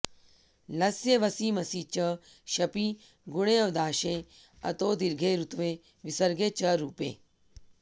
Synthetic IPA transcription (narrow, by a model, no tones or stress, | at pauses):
lɐsjeʋɐsiːmɐsiːt͡ʃɐ | ʃɐpiː | ɡuɽ̃ẽːɐʋd̪aːʃẽ | ɐ̰t̪oːd̪iɾɡʱeːɾut̪ʋeː | ʋisɐɾɡʱeːt͡ʃɐɾuːpḛː